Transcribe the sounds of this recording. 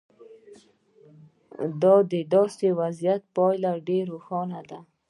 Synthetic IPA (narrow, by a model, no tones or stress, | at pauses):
d̪ɑd̪əd̪ɔst̪ewazjat̪̚pɑjlaɖeɾoxɑnad̪a